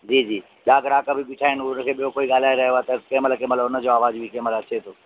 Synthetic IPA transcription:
d͡ʒiːd͡ʒiː | ɗaːɡəɾaːkabʱibɪʈʰaːɪnʊnkʰeːɓijokoːiɡaːl̤aːeɾɐɦat̪ɐkẽːmələkẽːmɐt̪ləbʊnəd͡ʒoːaːʋaːd͡ʒbʱikeːmələt͡ʃʰeːt̪ʰoː

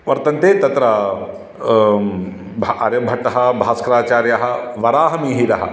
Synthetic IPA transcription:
ʋɐɾt̪ɐnt̪eːt̪ɐt̪ɾɐ | bʱɐɾjɐbʱɐʈɐɦɐbʱaːskɾaːt͡ʃaːɾjɐɦɐ̆ʋɐɾaːɦɐmiːɦiɾɐɦɐ̰

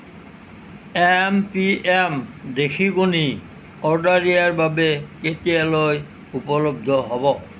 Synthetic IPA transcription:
empiemd̪ekʰiɡuni | ɔɾɖaɾiaɾbabeket̪ieloj | upolob̚d̪ʱoɦɔbo

